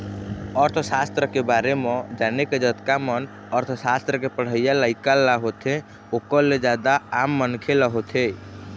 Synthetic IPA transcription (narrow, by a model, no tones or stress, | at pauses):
əɾt̪ʰəsast̪ɾəkebaɾemed͡ʒaneked͡ʒət̪kamən | əɾt̪ʰsast̪ɾəkepəɽ̤əjaləɪkalːaɦot̪ʰẽ | okəɾled͡ʒad̪aːmːənkʰeləɦot̪ʰe